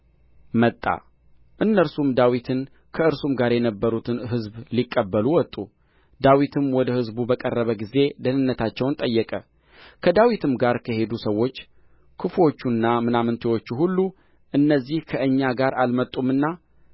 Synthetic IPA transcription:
mət̪ʼːa̰ | ʔɨnːəɾsumd̪awit̪ʰɨn | kʰəɨɾsumɡaɾjɛnəbːəɾut̪ʰɨnɦɨzblikʼːəbːəluwɔt̪ʼu | d̪awit̪ʰɨmwɔd̪əhɨzbubəkʼərːəβəɡize̞d̪ənɨnːət̪ʰat͡ʃːɛwnt̪ʼəjːɛkʼə | kʰəd̪awit̪ʰɨmɡaɾkʰəɦe̞d̪usəwːo̞t͡ʃː | kʰɨfo̞t͡ʃːunːamɨnamɨnt̪ʰewo̞t͡ʃːuɦulːu | ʔɨnːəzːihkʰəʔɨɲːaɡaɾʔalmət̪ʼumɨnːa

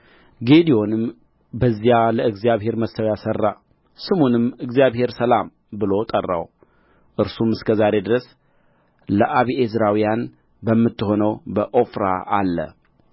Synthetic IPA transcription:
ɡed̪ijo̞nɨm | bəzjaləɨɡzijaβhe̞ɾməsəwjasərːa̰ | sɨmonɨmɨɡzijaβhe̞ɾsəlam | bɨlo̞t̪ʼərːa̰w | ʔɨɾsumɨskʰəzaɾe̞d̪ɨɾəs | ləʔaβiʔezɾawijan | bəmːɨt̪ːɨho̞nəwbəʔofɾa̰ʔalːə̰

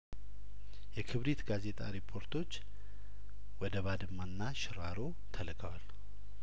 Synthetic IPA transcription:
jɛkʰɨβɾit̪ɡaze̞t̪ʼa̰ɾipʰːo̞ɾt̪ʰo̞t͡ʃː | wɔd̪əβad̪ɨmːanːaʃɪɾaɾo̞ | t̪ʰəlɨkʼəwal

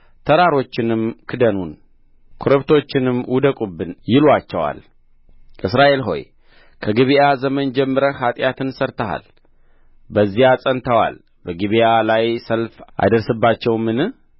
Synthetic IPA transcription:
t̪ʰəɾaɾo̞t͡ʃːɪnɨmkʰɨd̪ənun | kʰoɾəβt̪ʰo̞t͡ʃːɪnɨmwud̪əkʼubːɨnjɪlat͡ʃːɛwa̰l | ʔɨsɾaʔe̞lɦo̞̰j | kʰəɡɨβijazəmənd͡ʒɛmːɨɾəhat̪ʼjat̪ʰɨnsəɾt̪ʰəha̰l | bəzːijasʼənt̪ʰəwa̰l | bəɡɨβijalajsəlfʔa̰jd̪əɾsɨbːat͡ʃːɛwmɨnɨ

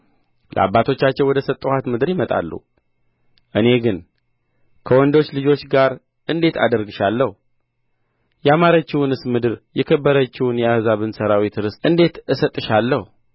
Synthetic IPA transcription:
lə̰a̰bːat̪ʰo̞t͡ʃːat͡ʃːɛwɔd̪əsət̪ʼːhat̪mɨd̪ɨɾjimət̪ʼa̰lːṵ | ʔɨne̞ɡɨn | kʰəwɔnd̪o̞t͡ʃːlɨd͡ʒo̞t͡ʃːɡaɾ | ʔɨnd̪e̞t̪ʰa̰d̪əɾɡɨʃalːəh | jɛamaɾət͡ʃːɪwʊnɨsmɨd̪ɨɾjɛkʰəbːəɾət͡ʃːɪwʊnjɛahzaβɨnsəɾawit̪ɾɨsʔɨnd̪e̞t̪ɨsət̪ʼːɨʃalːəhu

